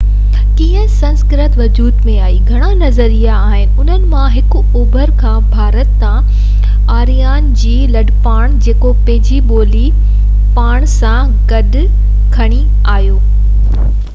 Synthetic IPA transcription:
kĩːə̃sɐ̃nskɪɾət̪ʋɐd͡ʑuːd̪mẽaːiːɡʱɐɽ̃anɐzəɾijaːɦɪnɪ̆ʊn̤ənɪ̆mãɦɪkʊ | uːbʱəɾkʰãbʱaːɾət̪ːã | aːɾijaːnd͡ʑiːlɐɖpaːɽ̃d͡ʑeːkopɐ̃ɦɪd͡ʑiɓoːli | paːɽ̃sã | ɡɐɗ̆ | kʰɐɽ̃i | aːɦijoː

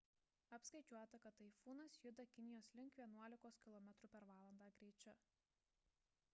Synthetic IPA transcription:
ɐpskɐɪt͡ʃʲuɔt̪ɐkɐt̪ːɐɪfuːnɐsjʊd̪ɐkʲɪnʲɪjoːslʲɪŋkʋʲiɛnuɔlʲɪkoːskʲɪlˠɔmʲɛt̪ɾʊpʲɛɾʋɑːlˠɐnd̪ɑːɡɾʲɛːt͡ʃʲʊ

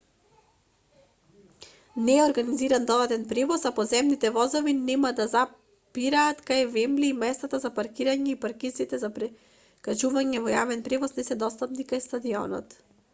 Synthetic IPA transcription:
nɛːɔɾɡaniziɾand̪ɔd̪ad̪ɛnpɾɛvɔsapɔzɛmnit̪ɛvɔzɔvinɛmad̪aza | piɾaːt̪kajvɛmliːmɛst̪at̪azapaɾkiɾaɲɛipaɾkiit̪ɛzapɾɛ | kat͡ʃuvaɲɛvɔjavɛnpɾɛvɔsnɛsɛd̪ɔst̪apnikajst̪ad̪iɔ̰nɔ̰t̪

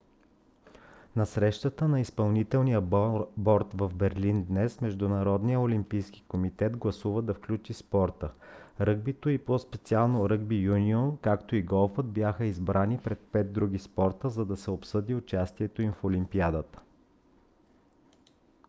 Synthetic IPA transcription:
nɐsɾɛʃt̪ət̪ənɐispɐlˠnit̪ɛlˠnijəbɔɾt̪vɐvbɛɾlind̪nɛsmɛʒd̪ʊnɐɾɔd̪nijəolimpijskʲi̥komit̪ɛd̪ɡlˠɐsuvəd̪ɐfklʲut͡ʃispɔɾt̪əɾɤɡ̚bit̪oipospɛt̪sialˠnoɾɤɡbijuniɔnkakt̪oiɡɔlˠfəd̪̚bjaxəizbɾʔanipɾɛt̪̚pɛd̪̚d̪ɾuɡispɔɾt̪əzɐd̪ɐsɛopsɤd̪iʊt͡ʃast̪iɛt̪oimfolimpiad̪ət̪ə̥

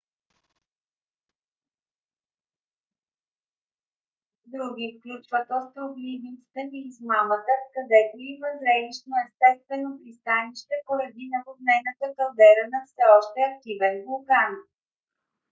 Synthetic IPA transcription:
d̪ɾuɡ̟ʲifklʲut͡ʃvət̪ɔst̪ɾoblivinst̪ɛniːzmamət̪əkɐd̪ɛt̪oivəzɾɛniʃnoɛst̪ɛst̪vɛnopɾist̪aniʃt̪ɛpoɾɐd̪inɐbod̪nɛjnət̪əkɐlˠd̪ɛɾənɐfsɛɔʃt̪ɛɐk̚t̪ivɛnbʊlˠkan

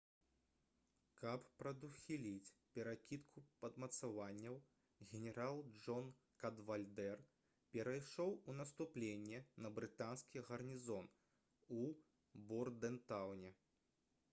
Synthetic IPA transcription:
kɐppɾɐd̪uxʲilʲit͡sʲpʲɛɾakʲit̪kʰupɐd̪mɐt̪savanʲːɐw | ɣʲɛnʲɛɾalˠd͡ʐɔn | kɐd̪valʲd̪ɛr | pʲɛɾɐjʂɔwunɐst̪uplʲenʲːɛnɐbɾɨt̪anskʲiɣɐrnʲizɔn | u | bɔrd̪ɛnt̪awnʲɛ

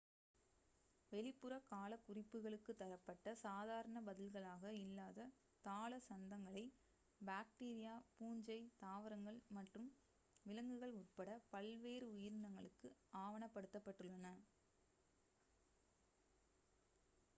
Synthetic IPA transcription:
ʋɛɭɪpːɯɾɐkaːlɐkʊrɪpːɯɣɐɭɯkːɯt̪ːɐɾɐpːɐʈːɐsaːðaːɾɐɳɐbɐðɪlɣɐɭaːɣɐɪlːaːðɐ | t̪aːɭɐsɐnd̪ɐŋɡɐɭɐɪ | baːkʈiːɾɪjaːpuːɲd͡ʒɐɪt̪aːʋɐɾɐŋɡɐɭmɐʈrɯm | ʋɪlɐŋɡɯɣɐɭʊrpɐɽɐpɐlʋeːɾɯʊjɪɾnd̪ɐŋɡɐɭɯkːɯaːʋɐɳɐpːɐɽɯt̪ːɐpːɐʈːɯɭːɐnɐ

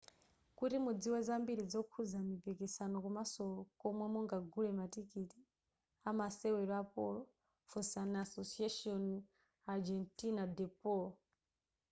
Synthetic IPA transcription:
kutimud͡ziwɛd͡zambiɾid͡zɔkʰud͡zamipikisanɔkumasɔkɔmwɛmɔŋɡaɡʱulɛmatikiti̥ | amasɛwɛɾɔapɔlɔ | fusanasosiaʃiɔn | ad͡ʒɛntinad̪ɛpɔlɔ

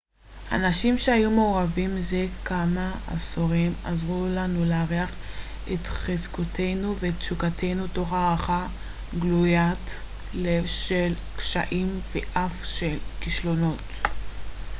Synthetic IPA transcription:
a̰naʃimʃehajumeoʁavimzekʰamaa̰soʁima̰zʁulanuleaʁeaχ | etχezkotʰe̞jnuveːtt͡ʃukatʰe̞jnuto̞χaʁaχa | ɡlujat | le̞vʃel | kʃa̰ʔimveʔafʃe̞lkiʃlo̞no̞t

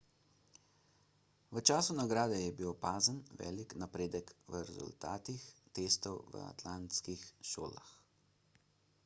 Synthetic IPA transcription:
ʋət͡ʃaːsunaɡɾaːd̪ɛjɛbiwpaːzənʋɛ̰ːliknapɾeːd̪əkʋəɾɛzṵlt̪aːt̪ixt̪eːst̪ɔwʋə̰a̰t̪lant̪skixʃo̰ːla̰x

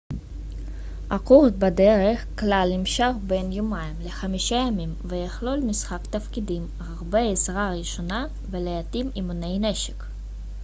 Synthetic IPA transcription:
ʔaquʁt̪̚bad̪eʁeχklalnimʃaχbenjomajmleχamiʃajamimvejeχlo̞lmisχakt̪afkid̪im | ʁaʁbeesʁaʁiʃo̞na | velejat̪imimunejneʃe̥k

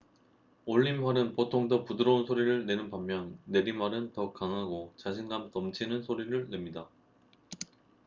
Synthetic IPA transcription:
oʎːimɦwaɾɯnpotʰoŋdʌpudɯɾʌunsʰoɾiɾɯɭne̞nɯnpamːjʌnne̞ɾimwaɾɯntʌkaŋɦaɡot͡ɕaɕʰinɡamtʌmt͡ɕʰinɯnsʰoɾiɾɯɭne̞mɲida

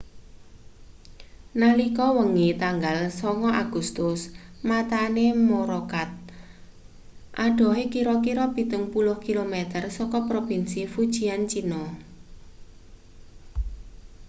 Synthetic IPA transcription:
nalikɔwəŋit̪aŋɡalsɔŋɔʔaɡ̥ṳst̪ʊsmat̪anemoɾɔkat̪̚ | ʔaɖ̥ɔ̤ɦekiɾɔkiɾɔpi̤t̪əŋpulʊhkilomet̪ərsɔkɔpɾopinsifud̥ʒ̥i̤ant͡ʃinɔ

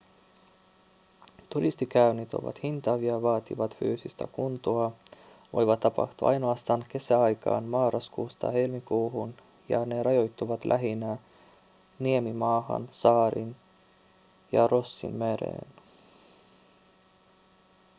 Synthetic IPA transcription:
t̪uɾist̪ikæynit̪o̰ʋɑ̰t̪hint̪ɑʋiɑʋɑːt̪ḭʋɑt̪fyːsist̪æ̰kunt̪uɑ | ʋo̞̰jʋɑt̪ːɑpɑ̰ht̪ṵʔɑ̰jnoɑst̪ɑːnke̞sæɑjkɑ̰ːnmɑːɾɑskuːst̪ɑ̰he̞lmikuːɦun | jɑ̰ne̞ɾɑjo̞jt̪ːuʋɑt̪lʔæ̰ɦinæ | niemimɑːhɑ̰nsɑːɾin | jɑ̰ro̞sːḭnmeɾḛːn

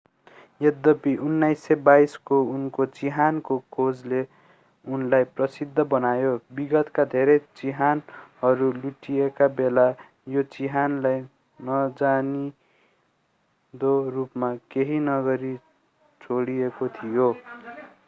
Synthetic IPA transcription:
jed̪ʌpiʔunːajsːebaiskounkot͡siɦankokʰod͡zle | unlajprʌsid̪ʱːʌbʌnajobiɡʌt̪kad̪ʱeɾʌjt͡siɦanhʌɾuluʈijekabela | jot͡siɦanlaj | nʌd͡zani | d̪orupmakeɦinʌɡʌɾi | t͡sʰoɽijekot̪ʰijo

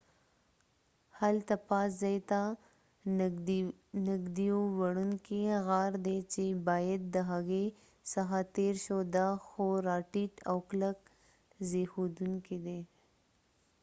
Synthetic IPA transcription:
halt̪apɑszɑjt̪a | nɪɡd̪iowaɽuŋkeɣaɾd̪et͡ʃebɑjad̪̚ːəɦaɣe | saxat̪eɾʃod̪axoɾɑʈiʈawklək̚ | zexod̪uŋked̪e

